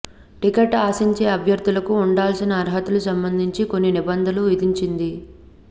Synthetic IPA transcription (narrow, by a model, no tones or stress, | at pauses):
ʈikeʈaːsiɲt͡ʃe̞ːɐbʱjɐɾd̪ʱulɐkuːɳɖaːlsinɐːɾɦɐt̪ulusɐmbɐnd̪ʱiɲt͡ʃiko̞nːinibɐnd̪ʱɐluʋid̪iɲt͡ʃind̪i